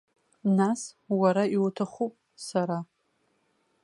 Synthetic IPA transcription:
naswaɾaiwtʰaχʷu | saɾa

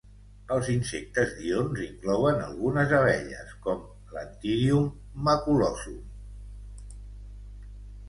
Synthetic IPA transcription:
əlˠzinsek̚t̪əzðionziŋklɔwənə̰lˠɣunəzəβɛ̰ʎə̰skɔm | lənt̪iɾiumː | əkulɔsu

